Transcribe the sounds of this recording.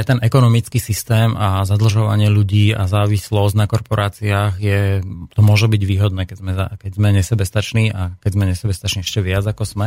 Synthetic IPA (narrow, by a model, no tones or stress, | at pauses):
at̪ɛnʔɛkɔnɔmit͡skisist̪ɛːmazad̪l̩ʒɔʋa̰ɲɪɛʎuɟiːazaːʋislɔsnakɔɾpɔɾʔaːt͡siaːɣjɛt̪ɔmʊɔʒɛbiɟʋiːɦɔd̪nɛːkɛzmɛza̰kɛɟzmɛɲɛsɛbɛst̪at͡ʃniːʔakɛzmɛɲɛsɛbɛst̪at͡ʃniɛʃcɛʋɪad͡zakɔz̥mɛ